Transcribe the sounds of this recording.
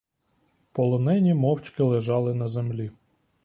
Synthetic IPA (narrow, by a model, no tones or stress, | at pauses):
pɔlˠɔnɛnʲimɔwt͡ʃkɪlˠeʒɑlˠɪnɐzemlʲi